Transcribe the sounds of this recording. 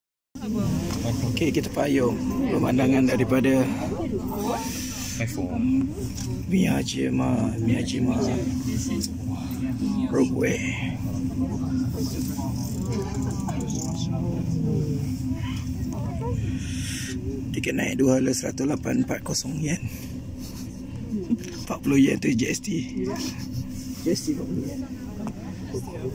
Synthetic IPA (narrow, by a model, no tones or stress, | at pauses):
okekit̪əpajɔŋpəmandaŋandaɾipada | miad͡ʒəmamĩad͡ʒima | pɾokwɛʔ | t̪ikət̪̚na̰ḭʔduəaləsəɾa̰t̪ulapanmpat̪̚kɔsɔŋjan | paʔpulojant̪əd͡ʒɛst̪i | d͡ʒsi